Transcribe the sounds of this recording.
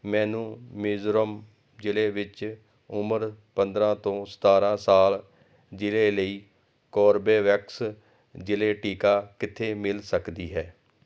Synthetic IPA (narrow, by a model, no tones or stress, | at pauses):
mɛ̃ːnũːmɪːzɾəm | d͡ʒɪleːʋɪt͡ʃ | ʊməɾpənd̪ɾãːt̪õːsə̥t̪aːɾãːsaːl | d͡ʒɪleːləiː | kɔːɾbeːʋɛks | d͡ʒɪleːʈiːkaːkɪt̪ʰːeːmɪlsəkd̪iːɦɛː